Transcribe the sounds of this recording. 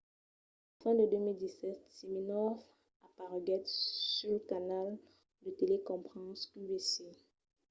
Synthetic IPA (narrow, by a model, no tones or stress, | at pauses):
fɛ̃d̪əd̪ømild̪isɛt̪siminɔf | apaʁɡɛt̪syləkanal | d̪ət̪elekɔ̃pχɑ̃sybese